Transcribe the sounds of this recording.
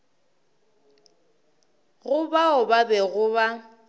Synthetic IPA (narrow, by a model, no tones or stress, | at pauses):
ɣʊbaʊbabɛɣʊβa